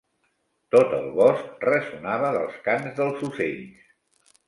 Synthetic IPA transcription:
t̪ot̪əlˠβɔsk̚rəsunaβəðəlˠskanzðəlˠzuseʎs

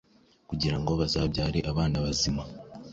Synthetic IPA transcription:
kuɟiɾaŋɡo̞βazabɟaːɾiʔaβaːnaβazima

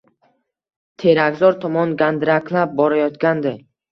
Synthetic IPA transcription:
t̪ʰe̞ɾaɡzɒɾt̪ʰɒmɒnɡand̪ɾakʲʰlap̚bɒɾajɒt̪ɡʲand̪ɪ

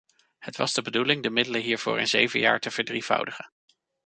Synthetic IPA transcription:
hətʋɑ̰zdəbədulɪŋdəmɪdələɦiːɹv̥ʊ̰ːɹə̰nzejvəjaːɹtəv̥əɹdriv̥ʌ̰wdəχən

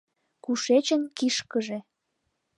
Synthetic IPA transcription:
kuʃet͡ɕənkiʃkəʒe

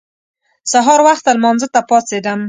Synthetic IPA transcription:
saɦɑɾwaxt̪almɑnzət̪apɑt͡sed̪əm

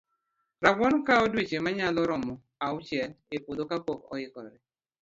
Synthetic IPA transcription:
ɾaɡwɔnɔkaɔdwet͡ʃemaɲalɔɾɔmɔ | aʊt͡ʃɛl | epodokapɔkɔɪkɔ̰ɾɛ

